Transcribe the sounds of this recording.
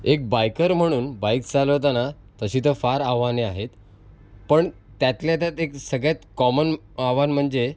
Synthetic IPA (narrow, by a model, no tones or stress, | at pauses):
ek̚bajkəɾm̤əɽ̃uːnbajkd͡zalət̪ana | t̪əɕiːt̪əfaɾaʋaneaɦet̪ | pəɳ | t̪jat̪ljat̪at̪eksəɡɭjat̪kɔmən | aʋanm̤əɳd͡ze